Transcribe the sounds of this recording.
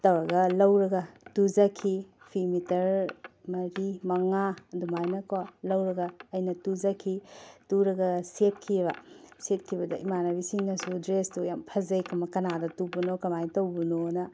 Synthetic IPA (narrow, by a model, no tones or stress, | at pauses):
tɐwɐɡɐlɐwɾɐɡɐtuzɐkʰi | pʰimitɐɾmɐɾimɐŋadumajnɐkʰolɐwɾɐɡɐːjnɐtuzɐkʰituɾɐɡɐset̚kʰibɐ̰set̚kʰibɐdɐ̰ʔimanɐbisiŋnɐsudɾestujampʰɐzɐjkʰɐmɐkɐnadɐtubunokɐmajtɐwbunonɐ